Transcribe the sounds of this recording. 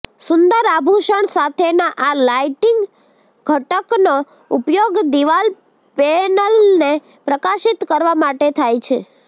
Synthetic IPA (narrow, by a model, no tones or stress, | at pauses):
sʊnd̪əɾabʱuʃəɳsat̪ʰenaʔalajʈiŋɡ | ɡʱəʈəkno | upjoɡd̪iʋal | penəlne | pɾəkaʃit̪kəɾʋamaʈet̪ʰajt͡ʃʰe